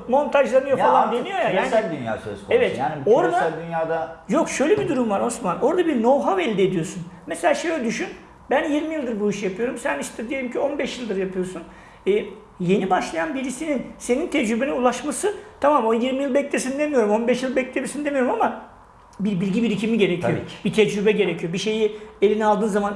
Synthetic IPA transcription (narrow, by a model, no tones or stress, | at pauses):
mo̞nt̪ʰaʒlˠanɯjo̞alˠand̪enijo̞jajaːælʲd̪ynja̰ːsø̰zkʰoevɛt̪jaːniboɾd̪aælʲd̪ynjaːd̪ajo̞kʃø̞jlʲebid̪uɾumvaɾo̞smano̞ɾd̪abiɾno̞wɦavɛlʲd̪ied̪ijo̞sunmeselʲaːʃejød̪yʃyn | bænjiɾmijilˠd̪ɯɾbuiʃjapʰɯjo̞ɾumsæniʃt̪ʰɛd̪ije̞lʲimcʰio̞nbɛʃjilˠd̪ɯɾjapʰɯjo̞sun | ɛː | je̞nibaʃlˠajanbiɾisininse̞nint̪ʰɛd͡ʒɾybeinulˠaʃmasɯt̪ʰamamonjiɾmijilˠbɛclʲesinid̪emijo̞ɾumo̞nbɛʃjilˠbɛc̚lʰʲebisinid̪emijo̞ɾumama | biɾbilʲɟibiɾicʰimiɟe̞ɾecʰijobit̪ʰɛd͡ʒɾybɛɟe̞ɾecʰijo̞biʃe̞jielʲinialˠd̪ɯːnzaman